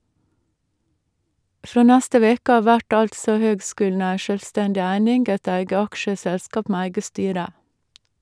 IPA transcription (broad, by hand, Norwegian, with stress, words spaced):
ˈfɾoː ˈnæstə ˈʋeːkə ˈɑː ˈʋæʈ ˈɑltsɔ ˈhøːɡˌskʉːln̩ ˈæɪ ʃœlˈstɛndɪ ˈæɪnɪŋɡ ˈæɪt ˈæɪɡə ˈɑkʃəˌsɛlskɑp ˈmeː ˈæɪɡə ˈstyːɾə